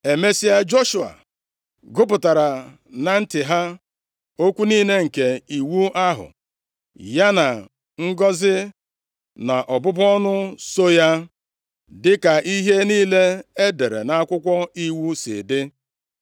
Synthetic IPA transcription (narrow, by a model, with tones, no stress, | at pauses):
e˨me˦si˦a˦d͡ʒo˦ʃu˨a̰˨ | ɡʊ˦pʊ˨ta˨ɾa˨ | na˨n̩˦tɪ˨ɦa˦ | o˦kʷu˦niː˦ne˦ŋ̩˨ke˨i˨wu˦ʔa˦ɦʊ̰˨ | ja˦na˨ | ŋ̩˦ɡɔ˦zɪ˦ | na˨ʔɔ˨bʊ˦bɔ˦nʊ˦so˦ja˦ | dɪ˦ka˨ʔi˦ɦe˦niː˦le˦e˦de˨ɾḛ˨na˦a˦kʷʊ˦kʷɔ˦i˦wu˦sɪ̰˨dɪ˦